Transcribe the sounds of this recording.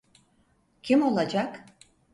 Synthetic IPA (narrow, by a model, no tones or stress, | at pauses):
kʰimolˠɑd͡ʒɑk